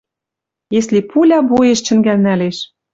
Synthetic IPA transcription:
jeslepulʲɑbujeʃt͡ɕɘ̆ŋɡælnæleʃ

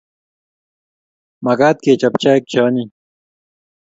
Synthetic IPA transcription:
mɐɡaːt̪̚keːt͡ɕɐpt͡ɕaːk̚t͡ɕʰaːni

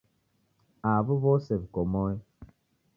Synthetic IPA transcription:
abəβɔsɛbkɔmɔi

